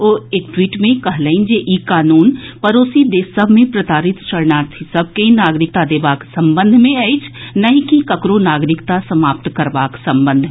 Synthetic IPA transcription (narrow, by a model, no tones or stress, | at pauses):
oːeːk̚ʈwiːʈmẽkɐɦləɪ̃nd͡ʒeʔiːkaːnuːnpɐɾoːsid̪eːsəbʱmẽpɾət̪aːɾɪt̪t͡ʃɐɽnaːɾt̪ʰisɐb̚ʱkeĩnaːɡɾɪk̚t̪ad̪eːbaːksɐ̃mbə̃nd̪ʱmẽait͡ʃʰnɐɦĩkikɐkɾonaːɡɾɪkt̪asɐmaːp̚t̪kɐɾbaːksɐ̃mbə̃nd̪ʱ